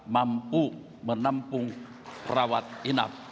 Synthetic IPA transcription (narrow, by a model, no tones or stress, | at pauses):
mampu | mənampʊŋ | prawat̪̚ina̰p̚